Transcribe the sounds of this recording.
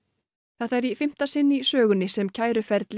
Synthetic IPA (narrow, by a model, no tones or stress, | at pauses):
θɛht̪ɛɾifɪm̥t̪asɪnːisœːɣʏnːɪsɛmcʰaːjɾʏfɛɾt̪l